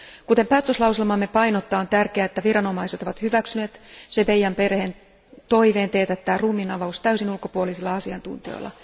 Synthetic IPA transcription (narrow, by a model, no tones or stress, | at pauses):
kut̪e̞mpæːt̪øslɑwselmɑmːe̞pɑjnot̪ːˑɑːont̪ærkeæet̪ːæʋiɾɑno̞mɑiset̪o̞ʋɑt̪hyʋæksyneːt̪seʋejːæmpe̞rhen | t̪o̞iʋe̞ːnt̪eːt̪æt̪ːæːruːminɑʋoust̪æysinulko̞puolisilːɑɑsiɑnt̪ṵnt̪io̰jlːˑɑ̰